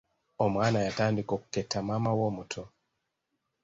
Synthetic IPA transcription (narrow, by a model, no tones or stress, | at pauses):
ɔmanajatandikɔkɛtamamawɔmutʰɔ